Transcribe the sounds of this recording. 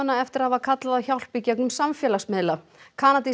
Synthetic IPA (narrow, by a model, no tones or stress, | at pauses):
nːaɛft̪ɪɾ̥havakʰat̪laðaçawl̥picɛknʏmsamfjɛːlasmɪðla | kʰaːnat̪i